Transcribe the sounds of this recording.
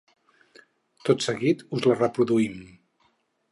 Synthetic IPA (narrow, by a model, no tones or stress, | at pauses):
t̪ot̪səɣit̪uzlərəpɾuðuim